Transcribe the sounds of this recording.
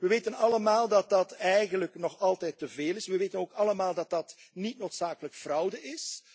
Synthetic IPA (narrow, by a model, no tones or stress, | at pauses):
ʋəʋeːtənɑləmaːlˠdɑt̚dɑtɛjɣənləknɔχɑlˠtɛjtəveːlɪsʋəʋeːtənoːkɑləmaːlˠdɑt̚dɑtnitnoːtsaːkələkfrʌwdəʔɪs